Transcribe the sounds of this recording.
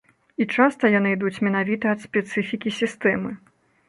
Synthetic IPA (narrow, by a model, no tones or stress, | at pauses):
it͡ʂast̪ɐjanɨid̪ut͡sʲmʲɛnavʲit̪ɐːt̪sʲpʲɛt̪sɨfʲikʲisʲist̪ɛmɨ